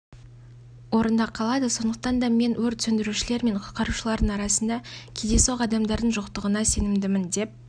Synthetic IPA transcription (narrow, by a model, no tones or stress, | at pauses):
wo̞ɾənd̪ɑqʰːɑlˠɑd̪əso̞nd̪əq̚t̪ɑnd̪ɑme̞nwɵɾt̪sɵnd̪ɪɾuʃɪle̞ɾme̞ɴqʰʊt̪qɑɾuʃəlˠɑɾd̪əɴɑɾɑsənd̪ɑkʲʰed̪e̞soqɑd̪ɑmd̪ɑɾd̪əɴʒʊqt̪əʁənɑse̞nɪmd̪ɪmɪnd̪e̞p̚